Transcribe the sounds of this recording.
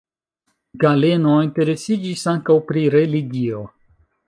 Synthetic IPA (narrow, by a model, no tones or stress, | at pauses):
ɡale̞nointe̞ɾe̞sid͡ʒisaŋkawpɾiɾe̞liɡio̞